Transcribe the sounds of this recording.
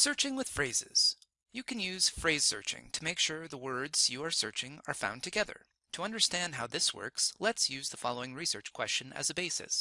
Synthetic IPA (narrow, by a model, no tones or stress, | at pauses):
sɜ˞t͡ʃɪ̃ŋwɨð̥fɹeɪzɪ̰z̥ | jɨkʰɨ̃njʉz̥fɹeɪz̥sɜ̰˞t͡ʃɪ̰̃ŋtʰəmeɪkʃʊɹðəwɜ˞dz̥jɨə˞sɜ̰˞t͡ʃɪ̃ŋə̰˞fã̰ʊ̃ntʰɨɡɛðə̰˞ | tʰəʌ̃ndə˞stæ̃nd̚ɦaʊðɪswɜ̰˞kslɛtsjʉzðəfɑlˠoʊɪ̃ŋɹisɜ̰˞t͡ʃkʰw̥ɛst͡ʃɨ̃nɨ̰zɨbeɪsɨ̰s